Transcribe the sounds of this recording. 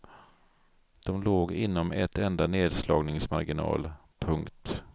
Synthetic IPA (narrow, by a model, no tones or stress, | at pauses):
d̪̥ɔmloːɡɪnːɔmɛt̪ɛnd̪aneːd̪slɑːɡnɪŋsmaɾɡɪnɑ̰ːl | pʰɵŋkt̪